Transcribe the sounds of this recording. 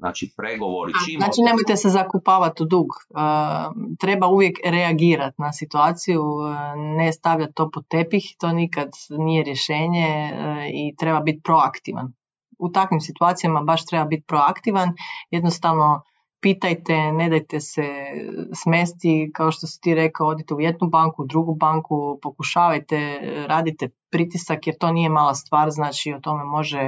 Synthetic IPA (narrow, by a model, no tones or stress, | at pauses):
na̰t͡ʃipɾeɡoʋo̰ɾiainat͡ʃine̞mo̞jt̪esezakupaːʋat̪ud̪uːɡət̪ɾe̞bauʋje̞kɾeaɡiːɾat̪nasit̪uaːt̪sijunest̪aʋʎat̪̚t̪ːo̞pot̪epixt̪o̞ːnikad̪nije̞ɾje̞ʃe̞ːɲeit̪ɾe̞babit̪̚pɾo̞akt̪iʋa̰n | ut̪akʋimsit̪uaːt̪sijamabaʃt̪ɾebabit̪̚pɾo̞akt̪iʋanjed̪nost̪aʋno̞ | piːt̪ajt̪e̞ne̞d̪ajt̪e̞sesme̞st̪ikao̞ʃt̪o̞si̥t̪iːɾe̞kaood̪it̪eujed̪nubaŋkuud̪ɾuɡubaŋkupo̞kuʃaːʋajt̪eɾaːd̪it̪epɾit̪isakjeɾt̪o̞ːnije̞maːlˠast̪ʋaːɾznaːt͡ʃiot̪o̞memo̞ʒe